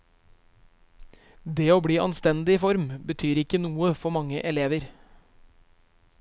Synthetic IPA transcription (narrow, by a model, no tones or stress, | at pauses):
d̪eːoːbɽiːʔɑ̰nst̪ɛnd̪ɪfɔɾmbət̪ʰyːɾɪkənuːəfɔmɑŋə̰ʔɛleːʋəɾ